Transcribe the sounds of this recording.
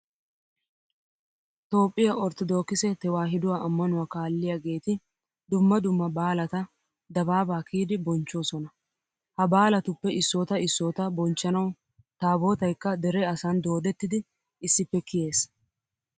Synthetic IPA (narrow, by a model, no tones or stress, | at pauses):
t̪o̞ːpʼːɪjɐʔɔɾt̪ɔd̪o̞ːkːɪsɛt̪ɛwaːɦɪd̪ʊwaːʔɐmːɐnʊwaːkaːlːɪjɐɡe̞ːt̪ɪ | d̪ʊmːɐd̪ʊmːɐbaːlɐt̪ɐ | d̪ɐbaːbaːkʰiːd̪ɪbɔnt͡ʃːo̞ːsɔnɐ | hɐbaːlɐt̪ʊpːɛʔɪsːoːt̪ɐɪsːoːt̪ɐbɔnt͡ʃːɐnɐw | t̪aːbo̞ːt̪ɐjkːɐd̪ɛɾɛɐsaːnd̪o̞ːd̪ɛt̪ːɪd̪ɪ | ɪsːɪpːɛkɪje̞ːs